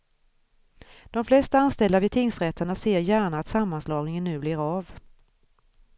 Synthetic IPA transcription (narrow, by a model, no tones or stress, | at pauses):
d̪̥ɔmflɛst̪aanst̪ɛld̪avɪt̪ʰɪŋsɾɛt̪ʰːəɳaseːɾjæːɳaːt̪samːanslɑːɡnɪŋənːʉ̟ːblɪːɾav